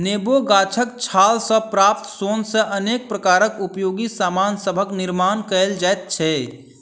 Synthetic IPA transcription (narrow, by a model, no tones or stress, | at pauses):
neːboɡaːt͡ʃʰəkt͡ʃʰaːlsə̃pɾaːp̚t̪əsoːnsẽʔəneːk̚pɾəkaːɾəkupjoːɡisaːmaːnsəbʱəknɪɾmaːnkəeld͡ʒaːt̪̚t͡ʃʰɛ